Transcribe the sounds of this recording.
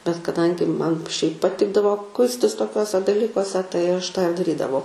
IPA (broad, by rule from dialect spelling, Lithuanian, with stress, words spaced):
bʲɛt kɐˈdɐŋʲɡʲɪ ˈmɐn ʃʲɛɪp pɐˈtʲɪɡdɐʋoː ˈkʊɪsʲtʲɪs toːˈkʲuɔsʲɛ dɐˈlʲiːkuɔsʲɛ tɐɪ ˈɐʃ tɑː ɪr dɐˈrʲiːdɐʋɐʊ